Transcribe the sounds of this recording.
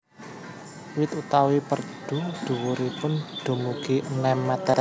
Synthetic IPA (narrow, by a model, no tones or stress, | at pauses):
wɪt̪ut̪awipərɖ̥ṳd̪̥ṳwuɾipʊnd̥o̤muɡiʔənɛmːat̪a